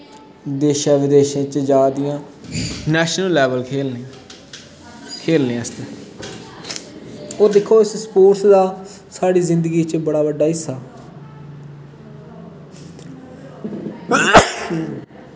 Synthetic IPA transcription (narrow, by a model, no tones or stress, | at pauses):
d̪eːʃaːʋɪd̪eːʃẽːt͡ʃd͡ʒaːd̪ɪjãː | nɛːʃnəlːɛːʋəlkʰeːlne | kʰeːlnẽãəst̪eː | oːd̪ɪkʰːoːɪsspoːɾt̪d̪aː | saːɽiːzɪ̃nd̪əɡiːt͡ʃbəɽaːʋəɖːaːɦɪsːaː